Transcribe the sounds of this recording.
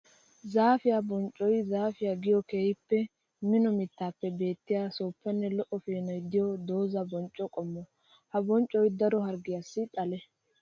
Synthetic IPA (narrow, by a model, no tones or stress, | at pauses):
zaːfɪjabɔnt͡ʃʼːɔjzaːfɪjaɡɪjɔkeːjɪpːɛ | mɪnɔmɪt̪ːaːpːɛbe̞ːt̪ːɪjaːsoːpːɐnːɛlɔʔɔfeːnɔjd̪ɪjɔd̪o̞ːzɐbɔnt͡ʃʼːɔkʼɔmːɔ | hɐbɔnt͡ʃʼɔjd̪ɐɾɔɦɐɾɡɪjasːɪt̪ʼɐlɛ